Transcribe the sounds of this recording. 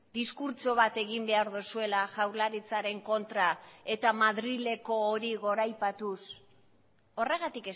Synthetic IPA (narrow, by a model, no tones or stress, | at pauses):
d̪iskuɾt͡ʃo̞β̞at̪e̞ɣ̞imbe̞aɾðusue̞laʝawɾlaɾit͡saɾe̞ŋko̞nt̪ɾae̞t̪amaðɾile̞ko̞ːɾiɣ̞o̞ɾajpat̪us | o̞re̞ɣ̞at̪ike